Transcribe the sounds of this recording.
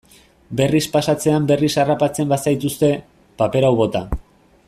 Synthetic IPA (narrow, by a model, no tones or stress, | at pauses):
be̞rispasat͡se̞ambe̞risarapat͡se̞mbasajt̪ust̪e̞ | pape̞ɾawβo̞t̪a